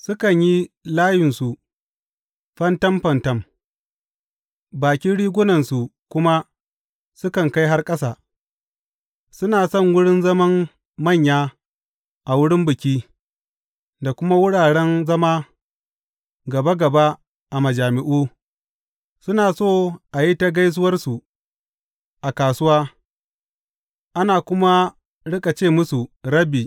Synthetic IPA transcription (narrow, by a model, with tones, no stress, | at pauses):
sʊ˦kɐ˨ɲji˦laː˦jɪ˨nsu˨ | ɸɐ˦ntɐ˦mɸɐ˨ntɐ˦m | baː˨kʲi˦nɽiː˦ɡʷʊ˦nɐ˨nsu˨kʷʊ˦ma˦ | sʊ˦kɐ˨ŋka˦jɦa˦rkʼɐ˦saː˨ | sʊ˦naː˨sɔ˦˨ŋwʊ˦ɽɪ˦nzɐ˦mɐ˦mː | ɐ˦˨ɲjaː˦ | ʔa˨wʊ˦ɽɪ˦mbɪ˨kʲiː˦ | da˨kʷʊ˦ma˦wʊ˦ɽaː˨ɽɛ˦nzɐ˦maː˦ | ɡɐ˨ba˦ɡɐ˨ba˦ | ʔa˨mɐ˨d͡ʒaː˨mɪ˨ʔuː˦ | sʊ˦naː˨soː˦˨ʔa˨ji˦ta˦ɡa˦js̬ʊ˦wɐ˦rsu˨ | ʔa˨kaː˨sʊ˦waː˦ | ʔa˦naː˨kʷʊ˦ma˦ | ɽɪ˦kʼa˨t͡ʃeː˦˨mʊ˦su˨ɾɐ˦biː˨